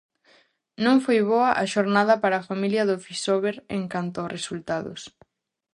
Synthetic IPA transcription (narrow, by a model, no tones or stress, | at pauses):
nõŋfojβoɐʔaʃoɾnaðɐpaɾɐːfamiljɐðʊfisoβeɾeŋkant̪ʊɔsresult̪aðʊ̰s